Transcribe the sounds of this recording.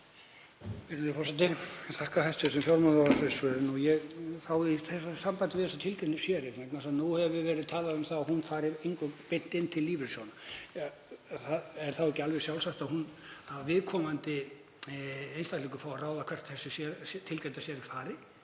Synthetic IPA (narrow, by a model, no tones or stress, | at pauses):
vɪɾɪnɪfɔrsɛt̪̬ɪθahkahajst̪sʏsɛmfjɔwɾmanɔasɛsɛðɪnujɛɣθawiθɛsasampant̪ɪvɪðɛsat̪ʰɪlkɛnʏsjɛːɾɪmɛknmasaðnuhɛvvɪvɛːɾɪðt̪ʰaːlaðʏmθawahunfaːɾɪejŋkʏpen̥t̪ɪnt̪ʰɪlːiːvɪɾsjɔwnaa | θaðɛɾ̥θawɛcɪalvɛɣsjawlsaht̪ahunθavavɪðkʰɔmant̪ɪ | ejnst̪ahtliːkʏfawaraːwðakʰvɛr̥t̪θɛsːɪsjɛt̪ʰɪlcɛnt̪asjɛɾɪkfaːɾɪ